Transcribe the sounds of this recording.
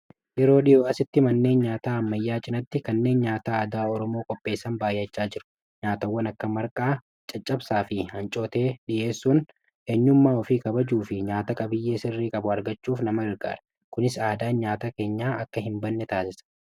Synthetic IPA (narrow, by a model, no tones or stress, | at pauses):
jɛɾo̞ːᶑɪjoːʔɐsɪt̪ːɪmɐnːe̞ːnɲaːt̪aːɐmːɐjːaːt͡ʃʼɪnɐt̪ːɪkɐnːe̞ːnɲaːt̪aːaːd̪aːɔɾɔmo̞ːkʼɔpʼːe̞ːsːɐnbaːjɐt͡ʃːaːd͡ʒɪɾʊ̥ | ɲaːt̪ɐwːɐnɐkːɐmɐɾkʼaː | t͡ʃʼɐt͡ʃʼːɐbsaːfɪhɐnt͡ʃʼo̞ːt̪e̞ːᶑɪʔe̞ːsːuːn | ʔeɲːʊmːaːɔfiːkʼɐbɐd͡ʒuːfɪɲaːt̪ɐkʼɐbɪjːe̞ːsɪrːiːkʼɐbʊɐɾɡɐt͡ʃːuːfnɐmɐɡɐɾɡa̰ːɾɐ̥ | kʊnɪsaːd̪aːɲaːt̪aːke̞ːɲːaːɐkːɐɦɪmbɐnːɛt̪aːsɪsɐ̥